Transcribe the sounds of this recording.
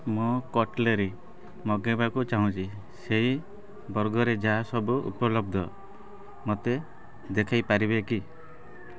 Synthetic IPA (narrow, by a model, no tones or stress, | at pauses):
mokɔʈleɾi | mɔɡebakut͡ʃaɦũt͡ʃʰi | seɦi | bɔɾɡɔɾed͡ʒaɦasɔbuṵpɔlɔbd̪ʱɔ | mot̪e | d̪ekʰajpaɾibeki